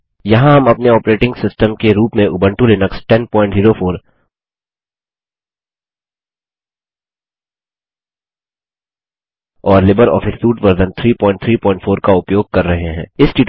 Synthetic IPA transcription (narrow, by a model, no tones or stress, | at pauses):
jɐɦãɦɐmɐpneɔːpɾeːʈɪ̃ŋɡsɪsʈəmkeɾuːpmẽʔʊbə̃ɳʈulɪnəksʈɛnpɔ̃ːɪ̃ɳʈziːɾofʰoːɾ | ɔːɾlɪbəɾɔ̰ːfʰɪsːuːʈʋɐɾd̪ə̃nt̪ʰɾiːpɔ̃ːɪ̃ɳʈ̚t̪ʰɾiːpɔ̃ːɪ̃ɳʈfʰoːɾkaʊpjoːɡ̚kɐɾːɐɦeɦɛ̃ːɪsʈiːʈ